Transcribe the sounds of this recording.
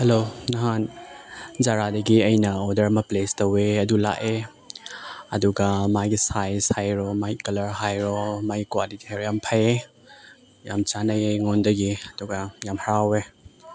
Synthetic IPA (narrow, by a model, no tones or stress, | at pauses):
helonɐɦan | zaɾadɐɡiɐjnɐɔdɐɾmɐplestɐweɐdula̰ʔe | ɐduɡɐmaɡisajsajɾɔmajkɐlɐɾɦajɾɔmaɡikwaditʰeɾjampʰaje | jamt͡ʃanɐjeŋondɐɡiɐduɡɐjamhaɾawe